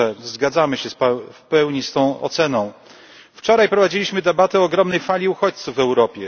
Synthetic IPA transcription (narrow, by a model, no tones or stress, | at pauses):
ɛzɡad̪zamɘɕɛspɛfpɛwɲist̪ɔ̃w̃ʔɔ̰t̪sɛnɔ̃w̃ | ft͡ʂɔɾajpɾɔvad͡ʑilʲiɕmɘd̪ɛbat̪ɛɔːɡɾɔmnɛjfalʲiuxɔt͡ɕt̪suvːɛwɾɔpʲjɛ